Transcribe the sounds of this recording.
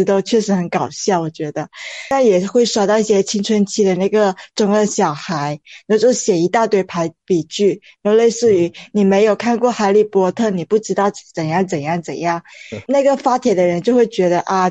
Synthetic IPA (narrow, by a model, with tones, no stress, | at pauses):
t̪o˥ʊt͡ɕʰɥɛ˥˩ʂɻ̩˧˥xə˧˥nkɑ˨˩ʊɕjɑ˥˩wɔ˨˩t͡ɕɥɛ˧˥d̪ə˧a˥˩njɛ˨˩xwe˥˩ɪʂwa˥ʊt̪ɑ˥˧ʊi˥˩ɕjɛ˥t͡ɕʰi˥ŋʈ͡ʂʰwə˧˥nt͡ɕʰi˥d̪ə˨na˥˩ɪɡə˩ʈ͡ʂʊ˧˥˩ŋə˥˩ɕjɑ˨˩ʊxa˧˥ɪnɔ˥˧˩t͡ɕjo˥˩ʊɕjɛ˨˩i˧˥t̪a˥˧t̪we˥˩ɪpʰa˧˥ɪpi˨˩t͡ɕy˥˩ | no˥˧le˥˧ɪʂɹ̩˥˩y˧˥ni˨˩me˧˥ɪjo˨˩ʊkʰa˥˧nkwɔ˥˩xa˧˥ɪli˨˩pwɔ˧˥t̪ʰɤ˥˩ni˨˩pu˥˩ʈ͡ʂɻ̩˥t̪ɑ˥˩ʊt͡sə˨˩njɑ˥˩ŋt͡sə˨˩njɑ˥˩ŋt͡sə˨˩njɑ˥˩ŋna˥˩ɡə˩fa˥t̪ʰjɛ˨˩d̪ə˦ɻə˧˥nt͡ɕjo˥˧ʊxwe˥˩ɪt͡ɕɥɛ˧˥d̪ə˧ʔa˥˧